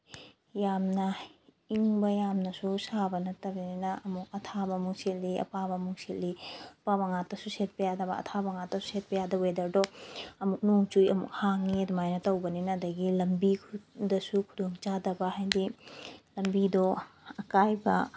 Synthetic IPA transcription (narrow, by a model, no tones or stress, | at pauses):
jamnɐ | iŋbɐjamnɐsusabɐnɐtɐbininɐɐmuk̚ɐtʰabɐmuŋsitlːiɐ̰pabɐmuŋsilliɐpabɐŋatɐsuset̚pejadɐbɐ̰ɐ̰tʰabɐŋatɐsu̥set̚pejadɐwedɐɾdɔɐmuk̚noŋt͡ʃujɐmṵk̚haŋiɐdumajnɐtɐwbɐninɐdɐɡilɐmbikʰdɐsukʰudoŋt͡ʃadɐbɐhajdilɐmbidɔɐkajbɐ